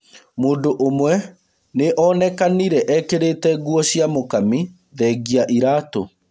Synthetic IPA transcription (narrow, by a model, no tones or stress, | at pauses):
moːndoʔomwɛ | neʔɔnɛkaniɾɛʔɛkeɾetɛɡuɔɕjiamokami | ðɛɡiaʔiɾaːto